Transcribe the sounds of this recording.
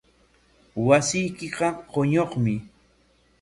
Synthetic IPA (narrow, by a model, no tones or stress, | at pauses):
wasɪjkɪqɑqoɲoχmɪ